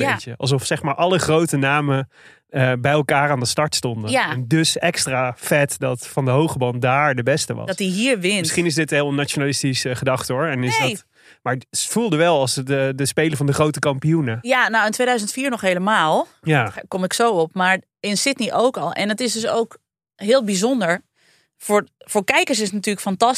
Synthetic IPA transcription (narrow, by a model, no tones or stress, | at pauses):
beəɑ̰lˠs̬ɔfsɛχmaːɹʔɑlˠəχrowtənaːmə | əbɛjɛlˠkaːɾaːndəstɑɹtstɔndəaɛndøsɛkstraːfɛtdɑtfɑndəɦowχəbɑndaːɹdəbɛstəʋɑ̰dtiɦiːɹʋɪnmɪsχinɪsdɪtəɦɪlˠnat͡ʃonalɪstisəχədɑχtəɦʊɹɛnɪsdɔt | maːɹfulˠdəʋɛlˠɑlˠsdədəspejləɹvɑndəχrowtəkɑmpijunəjanowɪntʋejdœɥzəntfiːɹnɔxɦejləmaːlˠjakɔmɪksowɔp̚maːɹ | ɪnsɪtniʔowkɑlˠɛ̰nətɪsdøs̬o̰wk | ɦɪːlˠbizɔndəɹ | fʊɹfʊːɹkɛjkəɹs̬ɪsənatyːɹləkfɑntɑs